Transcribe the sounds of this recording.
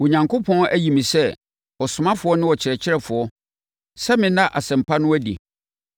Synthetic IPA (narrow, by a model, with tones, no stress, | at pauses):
wo˨ɲã˨ŋkʰo˦pʰɔ̃˦n˦ʔæ˦ji˨mĩ˨sɛ˦ | ɔ˨sʊ˨mã˦fʊ˨˦ɔ˦nɪ̃˦wɔ˨t͡ɕʰɪ˨ɾɛ˨t͡ɕʰɪ˦ɾɛ˨fʊ˨ɔ˦ | sɛ˦mɪ̃˦nã˦ʔa˨sɛ̃˨m̩˨pʰa˦nʊ̃˦æ˦dḭ˨